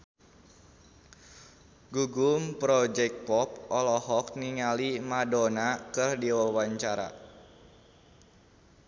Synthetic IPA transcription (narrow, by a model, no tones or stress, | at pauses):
ɡuɡumpɾɔd͡ʒɛk̚pɔp̚ʔɔlɔhɔk̚niŋalimadɔnakɨrdiwɔlwaɲt͡ʃaɾa̰